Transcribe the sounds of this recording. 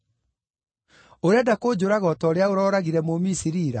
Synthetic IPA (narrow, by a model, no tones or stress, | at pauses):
oɾeɛadakoːd͡ʒoɾaɣɔtɔɾeaoɾɔːɾaɣiɾɛmomisiɾiːɾa